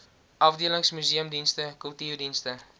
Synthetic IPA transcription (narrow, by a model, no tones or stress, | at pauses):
ʔɐfdiələŋsmyziəmdinstəkɵlˠtirdinstə